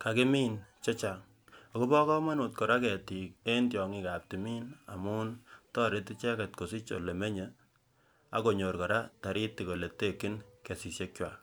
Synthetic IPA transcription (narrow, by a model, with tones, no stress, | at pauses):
ka˨kɪ˦miː˦nt͡ʃe˦t͡ʃa˨ŋ | o˨ku˦bɔ˦kɔ˦ma˦nʊ˨t̚kɔ˨ɾa˦kɛ˨ti˨k̚e˦ntjɔ˨ŋɪ˦ka˨p̚ti˨mi˦na̰˨mu˦ntɔ˦ɾe˦ti˦t͡ʃɛ˦kɛ˨t̚ko˨sɪ˦t͡ʃo̰˨le˨me˦ɲe˨ | a̰˨ko˨ɲo˨ɾkɔ˨ɾa˦ta˨ɾɪ˦tːi˨ko˨le˨te˦kːɪ˦nke˨si˨sje˦k̚t͡ʃwa˨